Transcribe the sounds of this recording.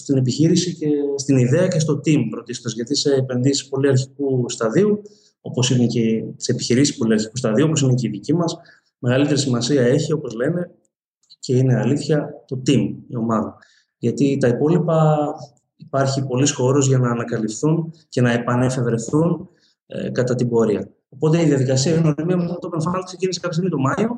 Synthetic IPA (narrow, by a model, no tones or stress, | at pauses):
st̪inep̬içiɾisicest̪iniðe̞ɐce̞st̪o̞t̪impɾo̞t̪ist̪ozʝɐt̪ise̞ːpe̞nðisi̥spo̞liɐɾçikust̪ɐðiu | o̞po̞sinecet̪i̥se̞pi̥çiɾisi̥spo̞liɐɾçikust̪ɐðiuo̞po̞sine̞ce̞iðicimɐs | me̞ɣɐlit̪e̞ɾisimɐsiɐe̞çio̞po̞zle̞ne̞ | ce̞ine̞ɐliθçɐt̪o̞t̪imio̞mɐðɐ | ʝɐt̪it̪ɐipo̞lipɐ | ipɐɾçipo̞lisxo̞ɾozʝɐnɐːnɐkɐlifθunce̞nɐe̞pɐne̞fe̞vɾe̞θun̰ | kɐt̪ɐt̪ibo̞ɾiɐ | o̞po̞t̪e̞iðiɐðikɐsiɐinoemiɐmet̪opueɱfɐnkse̞cinisekɐpjos̬init̪o̞mɐjo